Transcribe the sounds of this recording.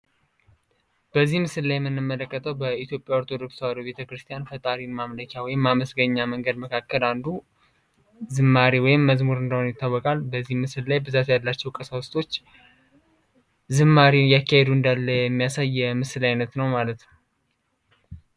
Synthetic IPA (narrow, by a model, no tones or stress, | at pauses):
b̥əzːihmɨsɨlːajɛmːɨnːɨmːələkːət̪ʰəwbəit̪ʰjo̞pʼːjawɔɾt̪ʰo̞d̪o̞kswaɾobe̞t̪ʰəkɾɨst̪ʰijanfət̪ʼaɾimamləkʰawɔjɪmːaməsɡəɲːaməŋɡəd̪məkʰakːəland̪u | zɨmːaɾiwɔjɪmːəzmuɾɨnd̪əhonjɪt̪ʰːawːɔkʼalbəzːihmɨsɨllajbɨzat̪jalːat͡ʃːɛwkʼəsawst̪ʰʼo̞t͡ʃː | zɨmːaɾijakːahed̪uɨnd̪alːəjɛmːijasajːɛmɨsɨlajnət̪nəwmalət̪nə